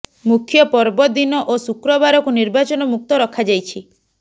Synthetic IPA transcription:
mukʰjɔpɔɾbɔd̪inɔʔosukɾɔbaɾɔkuniɾbat͡ʃɔnɔmuk̚t̪ɔɾɔkʰad͡ʒajt͡ʃʰi

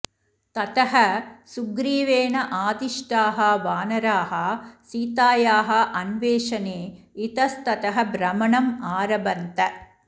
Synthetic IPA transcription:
t̪ɐt̪ɐɦɐsuɡɾiːʋeːnɐʔaːd̪iʂʈaːɦɐʋaːnɐɾaːɦɐsiːt̪aːjaːɦɐ̆ʔɐnʋeːʂɐneː | it̪ɐst̪ɐt̪ɐɦɐbɾɐmɐɳɐmaːɾɐbɐnt̪ɐ

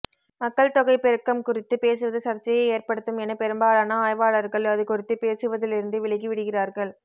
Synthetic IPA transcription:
mɐkːɐɭt̪ɔɣɐɪpɛɾɯkːɐmkʊrɪt̪ːɯpeːs̬ɯʋɐðɯsɐɾt͡ʃːɐjɐɪeːrpɐɽɯt̪ːɯmɛnɐpɛɾɯmbaːɭaːnɐaːjʋaːɭɐɾɣɐɭɐðɯkʊrɪt̪ːɯpeːsɯʋɐðɪlɪɾɯnd̪ɯʋɪɭɐɪɣiʋɪɽɯɣɪraːɾɣɐɭ

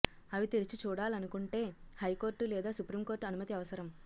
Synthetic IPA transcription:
ɐʋit̪eɾit͡ʃit͡ʃuːɽaːlɐnukuɳʈe̞ːhɐjko̞ːɾʈulɛːd̪aːsupɾiːmko̞ːɾʈɐnumɐt̪iɐʋɐsɐɾɐm

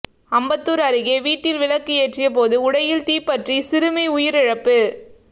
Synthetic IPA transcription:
ɐmbɐt̪ːɯɾɐɾɯɣeːʋiːʈːɪlʋɪlɐkːɯeːʈrɪjɐp̬oːðɯʊɽɐjɪlt̪iːpːɐʈrisɪɾɯmɐɪʊjɪɾɪɻɐpːɯ

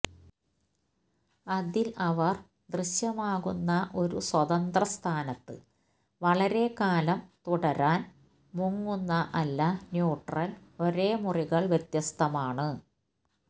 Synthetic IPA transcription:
ɐðilɐʋɐr | d̪rɨɕjɐmaːɣunːɐʔo̞ɾuswɐðɐnd̪rɐst̪ʰaːnɐt̪ːɨ̰ | ʋɐɭɐɾe̞kaːlɐmt̪uɽɐɾaːn | muŋːunːɐʔɐlːɐnjuːʈrɐlo̞ɾe̞ːmuriɣɐɭʋje̞t̪jɐst̪ʰɐmaːɳɨ

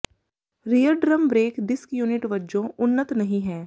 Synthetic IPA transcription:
ɾijəɾɖɾəmbɾeːkɖɪskjuːnɪʈʋɐd͡ʒõʊnːət̪nɐɦĩɦɛ̃ː

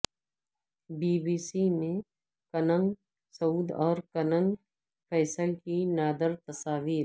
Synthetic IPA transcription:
biːbiːsimẽ | kɐnə̃ŋɡ | sɐuːd̪ɔːɾkɐnə̃ŋɡ | fʰɛːsəlkinaːd̪əɾt̪ɐsaːʋiːɾ

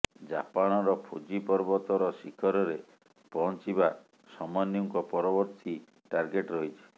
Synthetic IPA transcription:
d͡ʒapaɽ̃ɔɾɔpʰud͡ʒipɔɾbɔt̪ɔɾɔsikʰɔɾɔɾe | pɔɦɔnt͡ʃiba | sɔmɔnjɔŋkɔpɔɾɔbɔɾt̪i | ʈaɾɡeʈɾoɦit͡ʃʰi̥

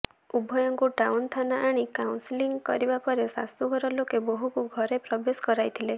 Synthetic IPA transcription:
ubʱɔjɔŋkuʈawnt̪ʰanaʔaɽ̃ikawnsiliŋɡkɔɾibapɔɾesa̰st̪uɡʱɔɾɔlokeboɦukuɡʱɔɾepɾɔbesɔ̥kɔɾajt̪ʰile

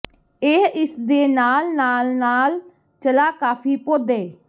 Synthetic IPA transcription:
eːɪsd̪eːnaːlnaːlnaːl | t͡ʃəlaːkaːpʰiːpoːd̪eː

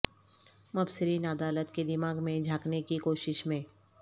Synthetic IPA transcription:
mɐbsɪɾiːnəd̪aːlət̪ked̪ɪmaːɡmẽd͡ʒʱaːknekikoːʃɪʃmẽː

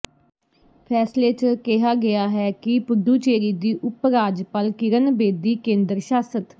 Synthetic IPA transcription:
pʰɛːsleːt͡ʃkɛɦaːɡɪjaːɦɛːkɪpʊd̪uːt͡ʃeːɾiːd̪iːʔʊpɾaːd͡ʒpəlkɪɾənbeːd̪iːkẽːnd̪ɾʃaːsət̪

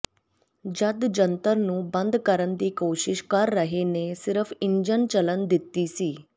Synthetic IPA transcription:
d͡ʑəd̪d͡ʑənt̪əɾnuːbə̃nd̪ʱkəɾənd̪iːkoːɕɪʃkaɾːəɦenesɪɾfiɲd͡ʑənt͡ɕələnd̪it̪ːisiː

